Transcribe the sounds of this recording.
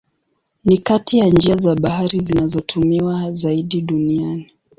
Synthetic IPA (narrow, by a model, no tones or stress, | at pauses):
nikatijand͡ʒiazaɓaɦaɾizinazɔtʰumiwazaiɗiɗuniani